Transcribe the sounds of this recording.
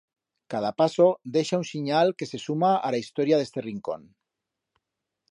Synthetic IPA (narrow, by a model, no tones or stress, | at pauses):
kað̞apasod̪eʃaunsiɲalkesesumaalaist̪oɾjaðest̪eriŋko̰n